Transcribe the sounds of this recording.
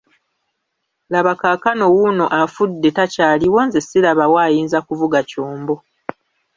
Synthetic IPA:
laβakaːkano̞wuno̞ʔafudːe̞tacaːliwoːnzesilaβawaːjiːnzakuvuɡacoːmbo̞

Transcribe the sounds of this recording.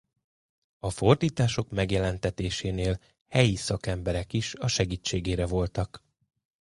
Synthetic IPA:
ɒfo̞rd̪iːt̪aːʃo̞kmɛɡjɛlɛnt̪ɛt̪eːʃeːneːl | hɛjisɒkɛmbɛɾɛkiʃɒʃɛɡiːt͡ʃːeːɡeːɾɛvo̞lt̪ɒk

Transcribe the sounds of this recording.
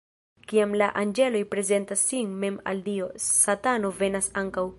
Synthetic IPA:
kiamlaʔand͡ʒe̞lo̞jpɾe̞ze̞ntasːinme̞ma̰ldio̞satano̞ve̞nasaŋkaw

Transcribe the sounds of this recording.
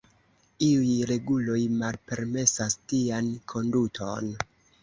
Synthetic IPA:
iujɾe̞ɡulo̞jmalpe̞ɾme̞sastiankʰo̞ndutʰo̞̰n

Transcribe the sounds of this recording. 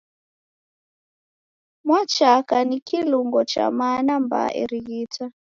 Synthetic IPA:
mwat͡ʃakanikʰiluŋɡɔt͡ʃa̰manamba̰ʔɛ̰ɾiɣitʰa

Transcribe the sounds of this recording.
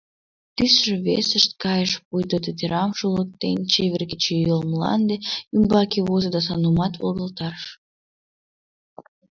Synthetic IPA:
t̪ysʒĕβesəʃt̪̚kɑjəʃpujd̪ət̪et̪eɾɑmʃulə̆k̚t̪enʲt͡ɕeβʲerɡət͡ɕejolməlɑ̰nd̪eymbɑkeβozed̪ɑs̬ɑnumɑt̪βo̰ld̪əlt̪ɑʃ

